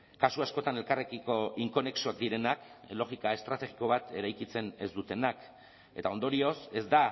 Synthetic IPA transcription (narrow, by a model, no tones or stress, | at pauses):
kasuasko̞t̪ane̞lkarekiko̞iŋko̞ne̞ksuak̚d̪iɾe̞naklo̞ɣikae̞st̪ɾat̪e̞ɣiko̞β̞at̪e̞ɾajkit͡se̞ne̞zd̪ut̪e̞nak | e̞t̪ao̞nd̪o̞ɾio̞se̞zd̪a